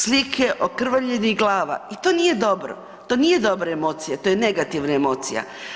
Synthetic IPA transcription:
slikʰeʔokr̩ʋaʎeniɡlˠaːʋa̰it̪o̞ːnije̞d̪o̞bɾo̰ | t̪o̞nije̞d̪o̞bɾaemo̞ːt̪sijat̪o̞jene̞ɡat̪iʋnaemo̞ːt̪sḭja̰

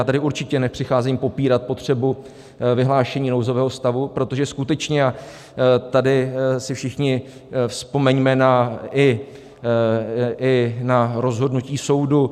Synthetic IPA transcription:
jaːt̪adɪuɾt͡ʃɪcɛnɛpr̝̥ɪxaːzimpo̞piːɾat̪̚po̞t̪r̝̥ɛbu | vɪɦlaːʃɛɲiːnowzo̞vɛːɦo̞st̪avupɾo̞t̪o̞ʒɛskut̪ɛt͡ʃɲɛa | t̪adɪsɪfʃɪxɲɪ | fspo̞mɛɲmɛnaɪ | ɪnaɾo̞zɦo̞dnuciːso̞wdu

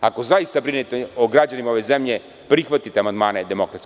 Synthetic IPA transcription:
akozaist̪abɾinɛt̪ɛoɡɾad͡ʑanimaovɛzɛmʎɛ | pɾixʋat̪it̪ɛamand̪manɛd̪ɛmokɾat̪

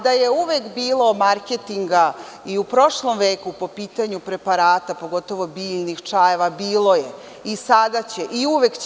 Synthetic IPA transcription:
d̪aje̞uʋekbiːlo̞maɾke̞t̪iŋɡaiupɾo̞ʃlˠo̞mʋe̞ːkupo̞piːt̪aɲupɾe̞paɾaːt̪apo̞ɡo̞t̪o̞ʋo̞biːʎnixt͡ʂajeʋabiːlˠo̞je̞ | isad̪at͡ɕe̞ʔiuʋekt͡ɕ

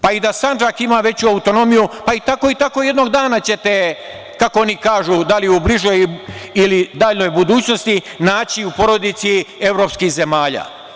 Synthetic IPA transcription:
paid̪asand͡ʒakimaʋe̞t͡ɕuaut̪o̞no̞mijupait̪ako̞it̪ako̞je̞d̪no̞ɡd̪aːnat͡ɕe̞t̪e̞ | kako̞onikaːʒud̪aliubliʒo̞jilid̪aːʎno̞jbud̪uːt͡ɕno̞st̪inaːt͡ɕiupo̞ɾo̞d̪it̪sie̞ʋɾo̞ːpskixze̞maːʎa̰ː

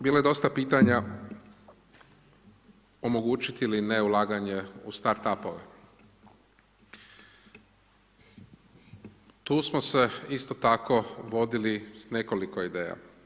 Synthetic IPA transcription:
biːlojed̪o̞st̪apiːt̪aɲa | o̞mo̞ɡuːt͡ʃit̪iilineulˠaːɡaɲe̞ust̪aɾt̪apoʋe | t̪uːsmose̞ist̪o̞t̪ako̞ʋo̞d̪ilisne̞ko̞liko̞id̪eːja̰

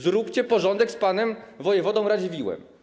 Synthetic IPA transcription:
zɾukt͡ɕɛpɔʐɔnd̪ɛkspanɛmvɔjɛvɔd̪ɔ̃w̃ɾad͡ʑevʲiwɛ̰m

